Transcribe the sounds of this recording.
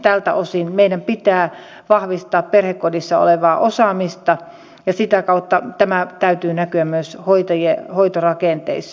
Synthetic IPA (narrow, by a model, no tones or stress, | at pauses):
t̪ælt̪æ̰osinmeiɾæmpit̪æː | ʋɑhʋist̪ɑːpperhekkodisːɑo̰leʋɑːʔosɑˑmist̪ɑ | jɑsit̪ækɑut̪ːɑt̪æmæt̪æyt̪yːnækyæmmyøshoit̪ɑjehoit̪orɑkeˑnt̪ḛisːɑ